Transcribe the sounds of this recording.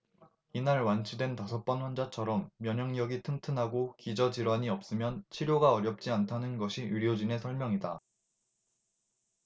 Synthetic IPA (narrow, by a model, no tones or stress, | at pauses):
inaɭwant͡ɕʰidwe̞ntasʰʌp͈ʌnɸwand͡ʑat͡ɕʰʌɾʌmːjʌɲʌŋɲjʌɡitʰɯŋtʰɯnɦaɡokid͡ʑʌd͡ʑiɾwaɲiʌp̚s͈ɯmjʌnt͡ɕʰiɾjoɡaʌɾjʌp̚t͡ɕ͈iantʰanɯnɡʌɕʰijuɾjod͡ʑine̞sʰʌɭmjʌŋida